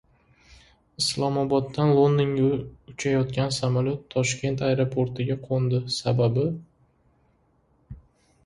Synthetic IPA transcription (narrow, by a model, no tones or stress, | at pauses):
ɪslˠɒmɒbɒd̪ːanlˠond̪ɪŋʊʊt͡ʃʰajɒt̪̚kʲansamalʲjot̪ʰːɒʃkʲe̞nt̪ʰajɾopʰoɾt̪ʰɪɡʲaqʰond̪ɪsababɪ